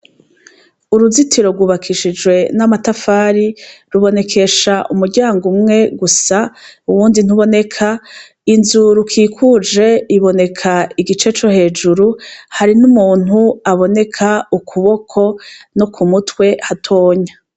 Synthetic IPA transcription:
uɾuzitʰiɾo̞ɾɡwuβakʰiʃid͡ʒɡwe̞namatafaːɾiɾuβo̞ne̞kʰe̞ʃaʔumuɾɟaːŋɡumŋe̞ɡusauwuːndin̥uβo̞ne̞kʰa | inzuɾukʰiːkʰud͡ʒe̞iβo̞ne̞kʰaiɡit͡ʃe̞t͡ʃo̞he̞ːd͡ʒuɾuhaɾinumuːn̥uaβo̞ne̞kʰaukʰuβo̞kʰo̞no̞kʰumutwe̞hatʰo̞ːɲa

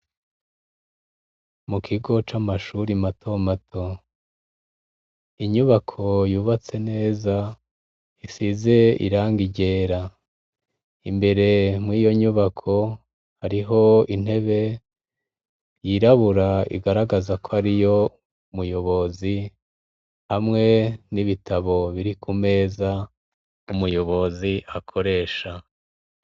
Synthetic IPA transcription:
mukʰiɡo̞t͡ʃamaʃuɾimatʰo̞matʰo̞ | iɲuβakʰo̞juːβat͡se̞ne̞ːza | isize̞ḭɾaːŋɡiɟe̞ːɾa | imbe̞ɾe̞mwiːjo̞ɲuβakʰo̞ | haɾiɦo̞in̥he̞βe̞ | jiɾaβuɾaḭɡaɾaɡazakʰohaɾijo̞ | umujo̞βo̞zi | hamŋe̞niβitʰaβo̞βiɾikʰume̞ːza | umujo̞βo̞ziʔakʰo̞ɾe̞ːʃa

